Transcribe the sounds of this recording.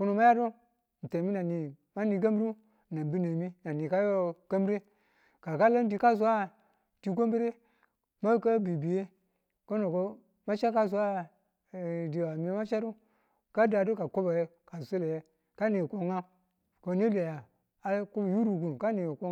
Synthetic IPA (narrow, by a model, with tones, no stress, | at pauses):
ko˦no˨ma˦ja˦do˦ | n̩˨te˨mi˦na˨ni˨ | ma˦ni˨ɡa˦m˦ɾi˦˨ | na˨bi˦ne˨mi˦na˨ni˨ka˦jo˦ɡ̥a˦mbɾe˦ | ka˨ka˦lo˦n˦di˨ka˦s̬u˦a˦ | ti˨ko˦m˦bi˦ɾe˦ | ma˦ka˦bi˨bi˨je˦ | ko˦no˨ko˦ | ma˦t͡ʃa˦ka˦s̬u˦a˦ | di˨wa˨mi˨˦ma˦t͡ʃa˦ɾu˦ | ka˦da˨do˦ka˨ko˦ba˨je˦ka˨so˦le˨je˦ | ka˦ni˨ko˦ŋa˦ | ko˨˦ni˦le˨ja˨ | a˨ku˦bju˦ɾu˨ɡu˨ka˦ni˨ko˦